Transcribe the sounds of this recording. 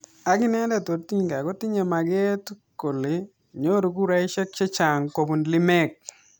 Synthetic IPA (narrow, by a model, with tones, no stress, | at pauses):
a˨ɡɪ˦nɛ˦dɛ˦˨to˨ti˦ɲka˨ɡo˦ti˦ɲe˨ma˨ɡɛ˦tko˨le˨ | ɲo˦ɾo˨ɡu˦ɾa˦i˦ʃɔ˦k̚t͡ʃe˦t͡ʃa˨ŋko˨bu˨nlɪ˦mɛ˦k̚